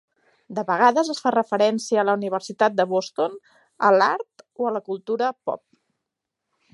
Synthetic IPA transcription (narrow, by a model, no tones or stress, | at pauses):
d̪əβəɣ̞aðəzəsfarəfəɾɛnsiəːləuniβ̞əɾsit̪at̪̚d̪əβost̪on | ə̰laɾt̪oələkulˠt̪uɾəpɔ̰p̚